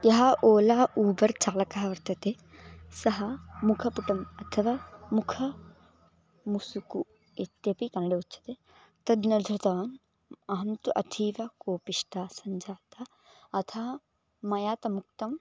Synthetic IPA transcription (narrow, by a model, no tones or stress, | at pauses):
jɐɦɐʔoːlaːʔuːbɐɾt͡ʃaːlɐkaɦɐʋɐɾt̪ɐt̪e | sɐɦɐmukʰɐpuʈɐmɐt̪ʰɐʋaːmukʰɐ | musuku | et̪jɐpikɐnɐɽeutːt͡ʃʰɐ̥t̪e | t̪ɐd̪nɐd̪ʱɾɐt̪ɐʋaːn | ɐɦɐnt̪uʔɐ̰t̪ʰiːʋɐkoːpiʃʈaːsɐɲd͡ʒʱaːt̪ɐ | ɐt̪ʰɐɦɐ | mɐjaːt̪ɐmuk̚t̪ɐm